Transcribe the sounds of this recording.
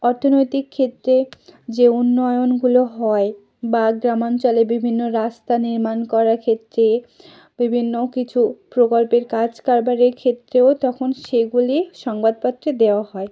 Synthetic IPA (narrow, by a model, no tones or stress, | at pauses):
ɔɾt̪ʰonojt̪ikʰːet̪ːɾed͡ʑeunːɔeonɡuloɦɔe | baɡɾamont͡ɕɔlebibʱinːoɾast̪aniɾmankɔɾaɾkʰet̪ːɾe | bibʱinːokit͡ɕʰupɾokolpeɾkad͡ʑkaɾbaɾeɾkʰet̪ːɾeot̪ɔkʰonʃeɡuliʃɔŋbad̪̚pat̪ːɾed̪eoaɦɔe